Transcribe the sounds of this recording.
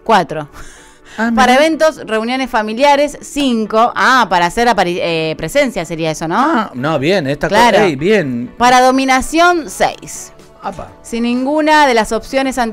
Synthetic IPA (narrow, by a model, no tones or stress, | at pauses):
kwat̪ɾo̞ | paɾaeβ̞e̞nt̪o̞sreunjo̞nesfamiljaɾe̞sːiŋko̞ʔapaɾaːseɾapaɾiepɾese̞nsjase̞ɾiaeso̞nõ̞anoβjenest̪aklaɾobjenpaɾaðo̞minasjo̞nsḛjs | apa̰ | sinːĩŋɡunaðe̞laso̞psjo̞ne̞sant̪